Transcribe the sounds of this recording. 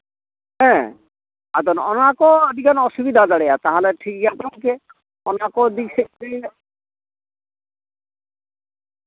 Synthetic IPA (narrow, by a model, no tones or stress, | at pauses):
ɦɛ̃ | ad̪ɔnɔ̰nakɔd̪ikanɔsubid̪ʱadaɽejat̪aɦaleʈʰik̚ɡat̪ɔŋke | ɔnakɔd̪iksee